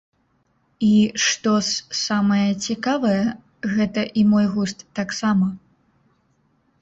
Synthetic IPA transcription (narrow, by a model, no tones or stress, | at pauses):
iʂt̪ɔssamɐjɐt͡sʲikavɐjɛ | ɣɛt̪ɐʔimɔjɣust̪ːaksamɐ